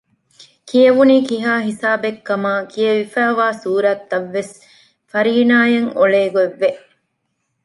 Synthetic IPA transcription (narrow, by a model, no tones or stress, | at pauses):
kijeʋuniːkiɦaːɦisaːbekːɐmaːkʰieʋifæːʋaːsuːɾɐt̪ːɐʋːes | fɐɾiːnaːjɐŋoɭeːɡoeʋːe